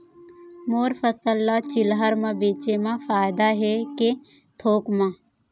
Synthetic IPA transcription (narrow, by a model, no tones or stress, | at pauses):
moːɾfəsəlːat͡ʃɪlɦəɾmãbeːt͡ʃemãfaːjd̪aɦeke | t̪ʰoːkmã